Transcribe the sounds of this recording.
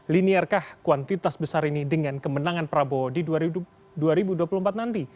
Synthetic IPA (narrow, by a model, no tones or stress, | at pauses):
liniarkahkuant̪it̪asbəsaɾinidəŋankəmənaŋanpɾabodida | duaɾibuduapuləmpat̪̚nant̪i